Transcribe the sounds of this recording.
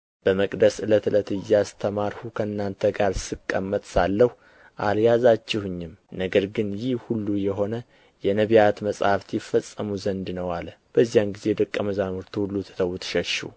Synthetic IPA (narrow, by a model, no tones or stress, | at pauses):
b̥əməkʼd̪əsɨlət̪ɨlət̪ɨjːast̪ʰəmaɾhukʰəɨnːant̪ʰəɡaɾsɨkʼːəmːət̪ʼsalːəhu | ʔaljazat͡ʃːɪhɨɲːɪmnəɡəɾɡɨnjɪhhulːujɛɦo̞nə | jɛnəβijat̪məsʼhaft̪ʰjɪfːəsʼːəmuzənd̪nəwalb̥əzːijamɡize̞d̪əkʼːəməzamɨɾt̪ʰuhulːut̪ʰɨ̥t̪ʰəwt̪ʰʃəʃṵ